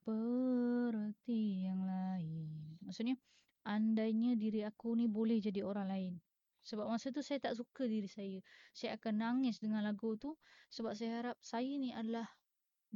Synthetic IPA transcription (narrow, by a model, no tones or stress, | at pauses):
bəɾət̪ijaŋlaɪnmaʔsuʊt̪̚ɲa | ʔandaiɲədiɾiakunibolɛhd͡ʒadioɾaŋlaɪn | səbap̚masət̪̬usajat̪aʔs̬ukədiɾisajəsajaakanːaŋɪsdəŋanlaɡut̪usəbap̚sajaɦaɾap̚sajəniadalah